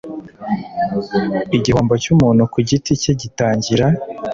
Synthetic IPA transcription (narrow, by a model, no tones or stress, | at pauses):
iɟihoːmbocumuːnukuɟiticeɟitaːɲɟiɾa